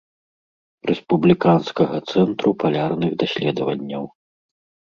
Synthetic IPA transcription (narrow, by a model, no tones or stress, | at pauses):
ɾʔɛspublʲikanskɐɣɐt̪sɛnt̪ɾupalʲarnɨɣd̪asʲlʲɛd̪ɐvɐnʲːɐw